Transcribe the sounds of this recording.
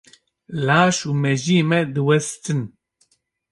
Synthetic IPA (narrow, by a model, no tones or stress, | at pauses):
laːʃuːmɛʒiːmɛd̪ɨwɛst̪ɨn